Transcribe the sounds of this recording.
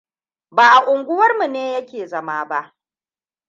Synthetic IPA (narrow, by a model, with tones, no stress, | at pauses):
baː˨ʔa˨ʔʷʊ˨ŋɡʷʊ˦wɐ˦rmu˨neː˦jɐ˦kʲeː˨zɐ˦maː˦ba˦ʔ